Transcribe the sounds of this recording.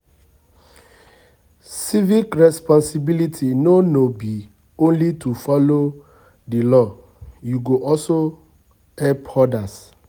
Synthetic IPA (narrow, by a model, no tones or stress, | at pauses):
sivikɹɛspɔ̃nsibilitʰinonobi | õnlitʰufɔlo | dilɔ | juɡoʔɔso | ɛpɔdas